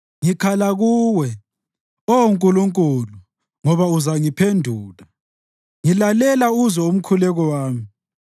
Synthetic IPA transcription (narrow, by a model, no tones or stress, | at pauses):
ŋikʰalaɣuwɛ | ɔuŋkʼuluŋkʼulu | ŋɔβauzaŋipʰendʱuːla | ŋilalɛlauzɔum̩kʰulɛɣɔwaːmi